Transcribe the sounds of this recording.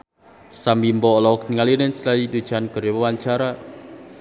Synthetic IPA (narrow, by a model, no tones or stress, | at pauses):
sambimbɔlɔkniŋalinenslajid̪ud̥t͡ʃanɡ̥ə̤ɾewəwaɲt͡ʃaɾa